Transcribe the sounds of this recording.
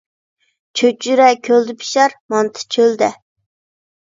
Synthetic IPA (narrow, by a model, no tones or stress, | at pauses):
t͡ʃʰøt͡ʃyɾɛkʲʰøld̪ɪpʰi̥ʃɑɾmɑnt̪ʰɨ̥t͡ʃʰøld̪ɛ